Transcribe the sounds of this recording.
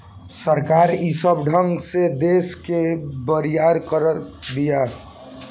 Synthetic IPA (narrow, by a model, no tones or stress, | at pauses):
səɾkaɾisəbɖʱə̃ŋɡsed̪eskebəɾijaɾkəɾətd̪ija